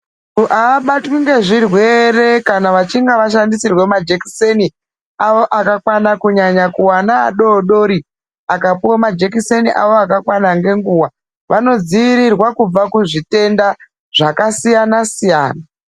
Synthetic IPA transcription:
uʔaːɓatwiŋɡe̞ʐirwe̞re̞kanaʋat͡ʃiŋɡaʋaʃandisirwe̞mad͡ʒeki̥seni | awo̞ʔakakwanakuɲaɲakuwana̰ːɗoɗo̞ɾi | akapuwamad͡ʒekiseniʔaʋoakakwanaŋɡe̞ŋɡuːwa | ʋano̞d͡ziʋiɾirwakub͡vakuʐite̞nda | ʐ̥akasijanasijaːna

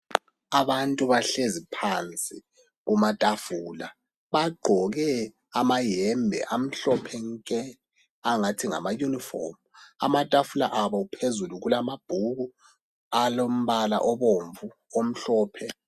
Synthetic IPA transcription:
aβantʼuβaɬezipʰant͡sʼi | ɣumatʼafuːla̰ | βaɡ͡ǃʱɔɣɛ | amajɛmbʱɛ̰ʔam̩ɬɔpʰɛŋkʼɛ | aŋatʰiŋa̰majunifɔ̰mua̰matʼafula̰ʔaβɔupʰezuluɣulamab̥ʱuɣu | alom̩βala̰ʔɔβoɱvu | om̩ɬɔːpʰɛ

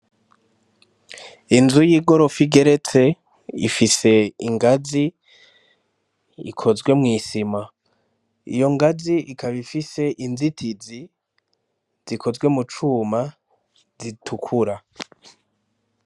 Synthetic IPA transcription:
inzujiːɡo̞ɾo̞fiɡe̞ɾe̞t͡se̞ | ḭfise̞iŋɡazi | ḭkʰo̞zɡwe̞mŋiːsima | ḭjo̞ŋɡaziʔikʰaβifise̞ʔinzitʰizi | z̥ikʰo̞zɡwe̞mut͡ʃuːma | zitʰukʰuɾa

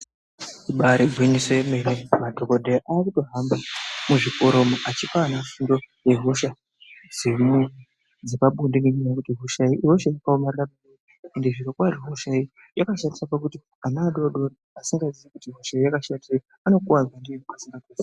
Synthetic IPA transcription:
iɓaɾiɡʱwiɲisoemenemadʱokodʱeaʔaːkuto̞ɦambamuʐiko̞ɾo̞maʔat͡ʃipaːnafundo̞ | je̞ɦo̞ʃa | z̥emuni | d͡zepaɓundeneɲiakutiɦoʃaiʔiɦo̞ʃaikaomariramie | endeʐiɾokwariɦoʃai | jakaʃandisapakuti | anaːɗoɗori | asiŋɡazit͡sekutiɦo̞ʃaijakaʃandie | ano̞kuwawandiemukasiŋɡakesa

